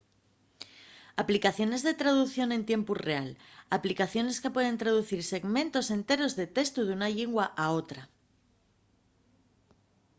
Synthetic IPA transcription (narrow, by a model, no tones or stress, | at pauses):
aplikaθjo̞ne̞zðe̞t̪ɾað̞uθjo̞nẽ̞nt̪je̞mpure̞alaplikaθjo̞ne̞skepwe̞ð̞e̞nt̪ɾað̞uθiɾse̞ɣmẽ̞nt̪o̞se̞nt̪e̞ɾo̞zðe̞t̪e̞st̪uðunaʎeŋɡwaʔao̞t̪ɾa